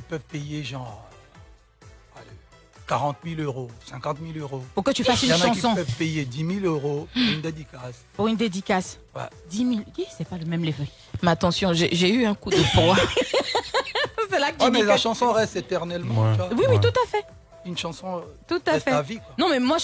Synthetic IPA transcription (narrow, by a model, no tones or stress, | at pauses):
kipœvpejeʒɑ̃ | ale | kaʁɑ̃t̪miløʁousɛ̃kɑ̃t̪miløʁopuʁkət̪yfasynɛɑ̃isɔ̃pœvpejed̪imiløʁopuʁynd̪ed̪ikas | puʁynd̪ed̪ikas | wɛ̰d̪imilisɛpaləmɛmlevø | mat̪ɑ̃sjɔ̃ʒeʒeyɛ̃kud̪əfʁwa | sɛlakəɛmɛlaʃɑ̃sɔ̃ʁɛst̪et̪ɛʁnɛlmɑ̃ywawiwit̪ut̪afɛ | ynʃɑ̃sɔ̃t̪ut̪afɛavikwanɔ̃mɛmwaʒ